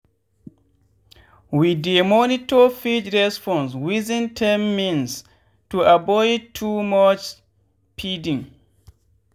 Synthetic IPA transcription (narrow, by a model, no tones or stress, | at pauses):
widemɔnitɔfid͡ʒɹɛspɔ̃nswizĩntʰɛmːĩns | tuabɔjd̚tʰumat͡ʃ | pʰidĩŋ